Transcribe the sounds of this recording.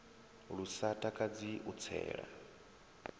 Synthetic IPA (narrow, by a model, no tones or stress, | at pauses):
ɺusatʼakʼad͡ziʔut͡sʰɛ̰ːɺa̰